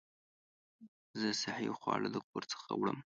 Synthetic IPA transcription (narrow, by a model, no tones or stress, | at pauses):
zəsahoxwɑləd̪ək̚oɾt͡sə̥xawɽəm